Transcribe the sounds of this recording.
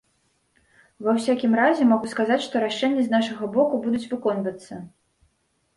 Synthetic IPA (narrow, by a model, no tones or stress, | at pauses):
vɐwsʲakʲimɾazʲɛmaɣuskazat͡sʲʂt̪ɔɾaʂɛnʲːɐznaʂɐɣɐbɔkubud̪ut͡sʲvɨkɔnvɐt̪sːɐ